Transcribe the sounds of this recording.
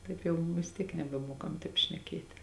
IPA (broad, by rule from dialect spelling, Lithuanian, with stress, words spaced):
ˈtɐɪp jɛʊ ʋʲɪs ˈtʲiɛk nʲɛbʲɛˈmuɔkɐm ˈtɐɪp ʃʲnʲɛˈkʲeːtʲ